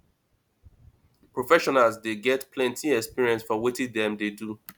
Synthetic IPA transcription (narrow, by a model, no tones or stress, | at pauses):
pɹɔfɛʃɔnalzdeɡɛtpʰlɛ̃ntʰiɛkspiɹiɛ̃nsfɔwetĩdɛ̃mdedu